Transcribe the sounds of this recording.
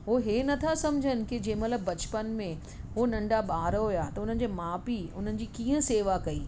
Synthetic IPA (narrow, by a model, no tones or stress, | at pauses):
ɦoɦeːnɐt̪ʰasɐ̃md͡ʑʱənɪ̆kɪd͡ʑẽɦmɐt̪ləbːɐt͡ɕpənmẽ | ɦonɐ̃ɳɖaɓaːɾɦojat̪ɐʊn̤ənɪ̆d͡ʑeːmaːpiʊn̤ənɪ̆d͡ʑiːkiːə̃seːʋakɐiː